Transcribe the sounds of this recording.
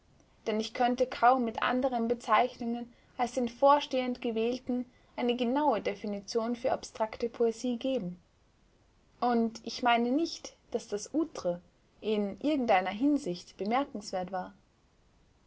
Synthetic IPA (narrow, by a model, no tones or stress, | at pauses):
d̥ɛnɪçkʰœntəkʰaʊmːɪtʔa̰ndəʁ̞ənbət͡saɪçnʊŋən | alsd̥eːnfoːɐʃteːəntɡ̥əvɛːltn̩ | ʔaɪnəɡənaʊədefinit͡sjoːnfyːɐapstʁ̥aktəpʰoeziːɡeːbm̩ | ʔʊntʔɪçmaɪnənɪçtd̥asd̥asʔuːtʁ̥ə | ʔɪnʔɪɐɡŋ̩tʔaɪnɐɦɪnzɪçtb̥əmɛɐkŋ̩sv̥eːɐtv̥aːɐ